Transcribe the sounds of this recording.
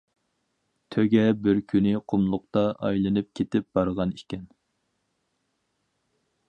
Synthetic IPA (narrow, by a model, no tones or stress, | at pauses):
t̪ʰøɡʲɛbɪɾkʲʰynɪqʰʊmlˠʊqt̪ɑʔɑ̰jlˠɨnɨp̚kʲʰet̪ɪp̚b̥ɑɾʁɑnikʲɛn